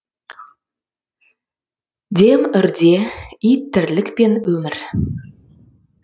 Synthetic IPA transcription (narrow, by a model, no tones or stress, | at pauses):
d̪ʲemɵ̆rd̪ʲeit̪ːɘ̆rlɘkpenɵmɘ̆r